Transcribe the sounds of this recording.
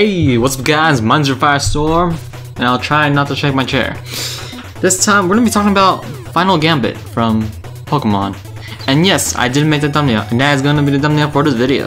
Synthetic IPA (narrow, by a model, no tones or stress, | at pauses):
heɪwʌtsʌvɡaɪzmʌ̃ɪ̃nzə˞faɪə˞stɔɹm | ɨ̃naɪlˠtʰɹ̥aɪnətʰɨʃeɪk̚maɪt͡ʃʰɛ̰ɹ | ðɪstʰãɪ̃mwəɹɡʌnəbitʰɔkɪ̃ŋəbaʊt̚fãɪ̃nl̩ˠɡæ̃mbɨ̰t̚fɹʌ̃m | pʰoʊkəmɑ̰̃n | ɨ̃njɛsa̰ɪdɪdⁿn̩meɪk̚ðɨt̚d̥ʌ̃mniʊʔɨ̃nðɨɾɨtzɡoʊɪ̃ŋtʰɨbiðɨdʌ̃mniofə˞ðɪzvɪɾio̰ʊ